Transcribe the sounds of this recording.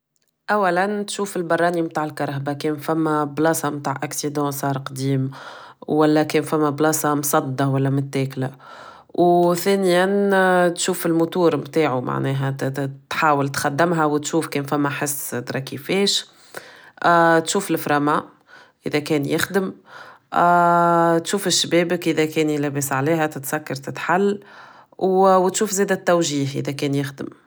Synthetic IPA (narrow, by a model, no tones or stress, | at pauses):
ʔæwːælænt̪ʃuːfɪlbɑrˤːɑːnimt̪aːʕɪlkɑɾˤɦbakɛːnfæmːæblɑːsɑmt̪aːʕʔaksid̪ɑ̃sˤɑːɾˤqd̪iːmː | ælːækɛːnfæmːæblɑːsɑmsˤɑd̪ːɑwælːæmɪt̪ːɛːkla | wθɛːnɪjænt̪ʃuːfɪlmʊt̪uːɾmt̪aːʕumʔa̰ʕnɛːɦæt̪ħaːwɪlt̪xad̪ːɪmɦæwɪt̪ʃuːfkɛːnfæmːæħɪsːd̪ɾˤɑkifɛːʃ | t̪ʃuːfɪlfɾˤɑmɑ | ʔɪðækɛːnjɪxd̪əm | t̪ʃuːfɪʃːbɛːbəkʔɪðækɛːnjlæbəsʕaliːɦæt̪ɪt̪sækːɑɾˤt̪ɪt̪ːħalː | wwɪt̪ʃuːfzɛːd̪æt̪ːæwʒiːɦʔɪ̰ðækɛːnjɪxd̪əm